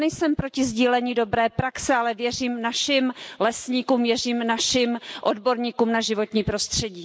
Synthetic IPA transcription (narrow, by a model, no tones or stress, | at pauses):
nɛjsɛmpɾo̞cɪzɟiːlɛɲɪdo̞bɾɛːpɾaksɛalɛvjɛr̝iːmnaʃɪmlɛsɲiːkuːmvjɛriːmnaʃɪmʔodbo̞ɾɲiːkuːmnaʒɪvo̞t̪ɲiːpɾo̞st̪r̝̥ɛɟiː